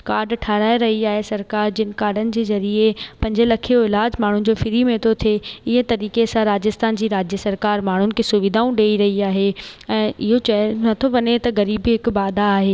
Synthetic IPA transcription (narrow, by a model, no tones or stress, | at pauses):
kaːɾɖʈʰaːɾaːeɾɐɦiaːɦesɐɾkaːɾd͡ʑɪnɪ̆kaːɾɖənɪ̆d͡ʑeːzɐɾiepɐ̃ɲd͡ʑɪlɐkʰijoɪlaːd͡ʑmaːɳ̤ʊnɪ̆d͡ʑoːfɪɾimẽt̪ʰot̪ʰeɪɦə̃t̪ɐɾiːkesãɾaːd͡ʑɪst̪ʰaːnd͡ʑiːɾaːd͡ʑjəsɐɾkaːɾmaːɳ̤ʊnɪ̆kʰeːsʊʋɪd̪ʱaːũɗeːiɾɐɦiaːɦeɛ̃ːɪɦot͡ɕɐnɐt̪ʰoʋɐɲet̪ɐɡɐɾiːbɦɪkbaːd̪ʱaːɦeː